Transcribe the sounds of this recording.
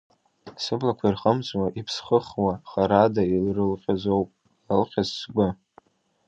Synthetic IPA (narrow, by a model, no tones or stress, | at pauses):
sɨblakʷʰairχəmt͡sʼwaʔipʰsχəχwaχaɾadailrɨlqʲʼazowpʼ | lɨlqʲazsɡʷʊ